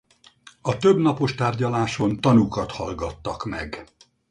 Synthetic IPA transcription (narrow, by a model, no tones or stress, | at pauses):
ɒt̪øbnɒpo̞ʃt̪aːrɟɒlaːʃo̞nt̪ɒnukɒt̪hɒ̰lɡɒt̪ːɒkmɛ̰ɡ